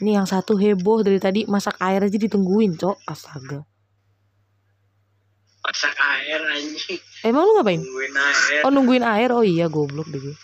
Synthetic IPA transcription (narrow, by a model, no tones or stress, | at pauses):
nijaŋsat̪uɦɛbɔhdaɾit̪adimasakaɛɾad͡ʒadit̪əŋɡuɪnt͡ʃɔʔasaɡa | masakaɛrad͡ʒemaŋluŋɡapaɪnnaɛɔnuŋɡuɪnaɛrɔijaɡɔblɔk̚biɡit̪u